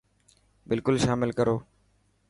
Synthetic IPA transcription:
bɪlkʊlʃaːmɪlkəɾoː

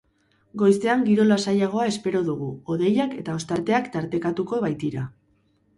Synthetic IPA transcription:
ɡo̞jst̪e̞aŋɡiɾo̞lasajaɣ̞o̞ae̞spe̞ɾo̞ðuɣ̞uo̞ðe̞jake̞t̪aost̪aɾt̪e̞akt̪aɾt̪e̞kat̪uko̞βajt̪iɾa

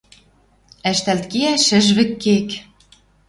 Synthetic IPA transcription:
æʃt̪ælt̪kiæʃɘ̆ʒβɘ̆kːek

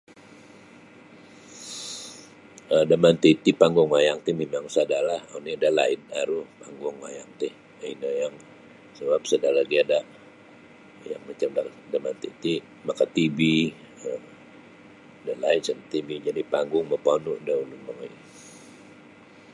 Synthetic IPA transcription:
ədamant̪it̪ipaŋɡʊŋwajaŋt̪ɪhmemaŋsadalaho̰nidala̰ɪnaɾupaŋɡʊŋwajaŋt̪ɪh | inəjaŋ | səbap̚sadalahɡiadaʔ | jaŋmat͡ʃamdadamant̪it̪i | makat̪ibi | ə | dalaɪnsənt̪ibid͡ʒadipaŋɡʊŋməpanuʔdaulumaŋa

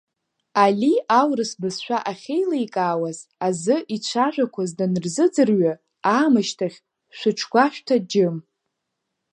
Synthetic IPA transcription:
aliawrɨsbɨsʃʷᶣaʔaχʲejlaikʼaːwazazɨʔit͡ʃʷʰaʒᶣʷakʷʰazdanɨrzɨd͡zɨrɥa | aːmɨʃtʰaχʲ | ʃʷʊʈ͡ʂʷʰɡʷaʃᶣtʰad͡ʒɪm

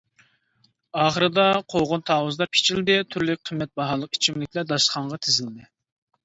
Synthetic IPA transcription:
ɑːχəɾɨd̪ɑqʰoʁʊnt̪ʰɑːwuzd̪ɑpʰe̥t͡ʃʰild̪ɪt̪ʰyɾlyk̚ʲqʰəmːɛt̪̚bɑɦɑlˠəqi̥t͡ʃʰimlɪkʲlɛd̪ɑʃχɑɴʁɑt̪ʰɪzɪld̪ɪ

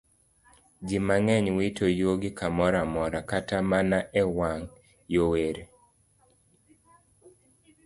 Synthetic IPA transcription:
d͡ʒimaŋɛɲwitojoɡɪkamɔɾamɔɾakatamanaʔɛwaŋ | joweɾe

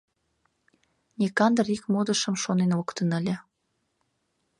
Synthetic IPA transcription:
nʲekɑnd̪rikmod̪əʃəmʃonenokt̪ənəlʲĕ

